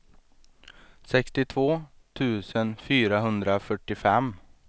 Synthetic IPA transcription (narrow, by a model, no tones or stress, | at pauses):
sɛkst̪ɪt̪ʰvoː | t̪ʰʉ̟ːsənfyːɾaɦɵnd̪ɾafœʈːɪfɛm